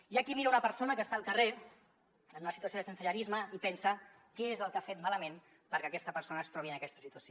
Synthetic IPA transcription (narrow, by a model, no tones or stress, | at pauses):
jakimiɾaunəpəɾsonəkəst̪aːlˠkəre | ənənunəsit̪uɐsoðəsənsəʎaɾizməipɛnsə | kɛezəlˠkafet̪maləmẽn | pəɾkeakɛst̪əpəɾsonəːst̪ɾɔβiənəkɛst̪ə̥sit̪uɐsio